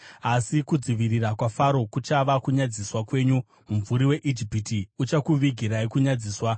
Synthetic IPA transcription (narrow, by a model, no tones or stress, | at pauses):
asikud͡ziʋirirakwafaɾo̞kut͡ʃaʋakuɲad͡ziswakwe̞ːɲu | mumvuɾiwe̞ʔid͡ʒipitiut͡ʃakuʋiɡʱiɾaikuɲad͡ziːswa